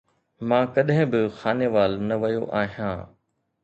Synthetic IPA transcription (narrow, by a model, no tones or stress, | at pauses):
mãːkɐɗɦɪ̃bɪxaːneːʋaːlnɐʋɐjoʔaːɦijãː